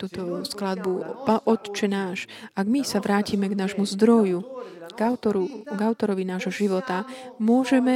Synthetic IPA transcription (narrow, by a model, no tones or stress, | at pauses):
t̪uːt̪ɔsklad̪̚bupaʔɔt̪t͡ʃɛnaːʃ | ʔaɡmisaʋɾaːcimɛɡnaːʒmuzd̪ɾɔjuɡ̥aʊt̪ɔɾuɡaʊt̪ɔɾɔʋinaːʒɦɔʒiʋɔt̪amʊɔʒɛmɛ